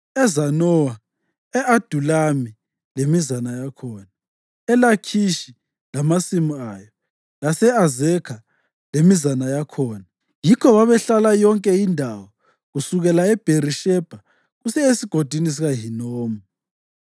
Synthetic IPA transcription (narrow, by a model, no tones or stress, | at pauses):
ɛzanɔwa | ɛʔad̥ʱulami | lemizanajakʰɔːna | ɛlakʰiʃi | lamasimuajɔ | lasɛazɛkʰa | lemizanajakʰɔːna | jikʰɔβaβɛɬalajɔŋkʼɛindʱawɔ | ɣusuɣɛlaɛb̥ʱeɾiʃɛb̥ʱa | ɣusɛesiɡ̥ʱod̥ʱinis̬iɣaɦinoːmu